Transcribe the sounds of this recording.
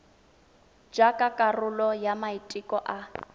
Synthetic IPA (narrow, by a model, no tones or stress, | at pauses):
d͡ʒakʼakʼarʊlɔjamaitʼikʼɔʔa